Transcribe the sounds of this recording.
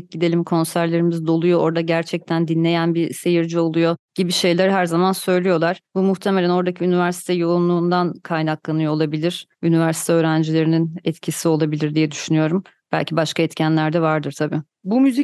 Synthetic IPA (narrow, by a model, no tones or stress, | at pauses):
c̚ɟid̪e̞lʲimkʰo̞nsæɾlʲe̞ɾimizd̪o̞lˠujo̞ʔo̞ɾd̪aɟæɾt͡ʃʰɛc̚t̪ʰænd̪inlʲe̞jænbise̞jiɾd͡ʒio̞lˠujo̞ɟ̥ibiʃe̞jlʲæɾɦæɾzamansø̞jlʲijo̞lˠaɾ̥bumuxt̪ʰemelʲæno̞ɾd̪acʰiynivæɾsi̥t̪ʰɛjo̞lˠunlˠuːnd̪ankʰajnaklˠanɯjolˠabilʲiɾ̥ynivæɾsi̥t̪ʰɛøːɾænd͡ʒilʲe̞ɾininɛt̪cʰisio̞lˠabilʲiɾd̪ijɛd̪yʃynyjo̞ɾum | b̥æ̰lʲcʰibaʃkaɛt̪cʰænlʲæɾd̪ɛvaɾd̪ɯɾt̪ʰabiː | bumyzi